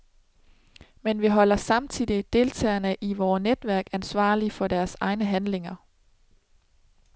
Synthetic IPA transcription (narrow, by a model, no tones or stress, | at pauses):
menʋiɦɒ̽l̰ɐsɑ̈mt͡sʰið̰ˠid̥e̝lt͡sʰɛ̰ːɐnəʔiʋɒːned̥ʋæɐɡ̥ænsʋɑ̰̈ːlifɒ̽dæɐsɑ̈ɪnəɦænle̝ŋɐ